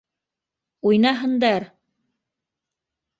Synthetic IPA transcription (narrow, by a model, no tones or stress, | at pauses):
ujnɑɦɤ̆nd̪ɑɾ